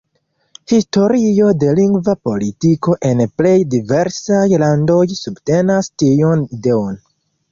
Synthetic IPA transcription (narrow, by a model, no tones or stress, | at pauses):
histo̞ɾio̞de̞liŋɡvapo̞litiko̞ʔe̞nple̞jdive̞ɾsajlando̞jsubte̞nastionide̞on